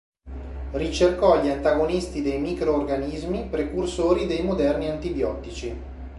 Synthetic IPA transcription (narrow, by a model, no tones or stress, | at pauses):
rit͡ʃerkɔʎːant̪aɡonist̪id̪ejmikɾoːrɡanizmipɾekursoːɾid̪ejmod̪ɛrniant̪ibjɔt̪it͡ʃi